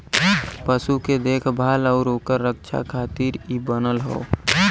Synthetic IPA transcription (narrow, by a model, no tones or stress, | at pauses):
pəsuked̪eːkʰbʱaːləʊɾoːkəɾːək̚t͡ʃʰa̰kʰat̪iːɾibənəlɦo̰ː